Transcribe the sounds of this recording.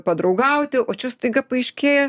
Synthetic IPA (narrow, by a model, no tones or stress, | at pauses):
pɐd̪ɾɐʊɡɐʊt̪ʲɪʔoːt͡ʃʲɛst̪ɐɪɡɐpɐɪʃʲkʲeːjɛ